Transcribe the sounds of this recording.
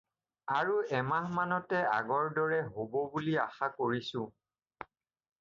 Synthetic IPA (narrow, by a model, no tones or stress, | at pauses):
aɹuɛmahmanɔtɛa̰ɡɔɹdɔɹɛɦobɔbulia̰xakoɹisʊ̃